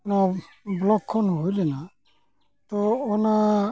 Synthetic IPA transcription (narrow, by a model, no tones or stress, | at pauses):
na | blɔkʰːɔnɦojlɛna | t̪ɔːna